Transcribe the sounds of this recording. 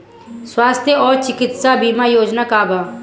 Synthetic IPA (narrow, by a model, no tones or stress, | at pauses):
swaːst̪ʰjəɔːɾt͡ʃɪkɪt̪sabiːmajoːd͡ʒnakaːbʱaː